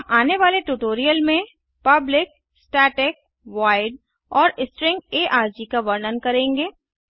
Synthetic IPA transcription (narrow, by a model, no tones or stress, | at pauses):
mʔaːneʋaːleʈuːʈoːɾijəlmẽ | pɐblɪk̚ | sʈaːʈɪk̚ | ʋaːɪɖ | ɔːɾɪsʈɾɪ̃ŋɡeːʔaːɾd͡ʒikaʋɐɾnənkɐɾẽːŋɡeː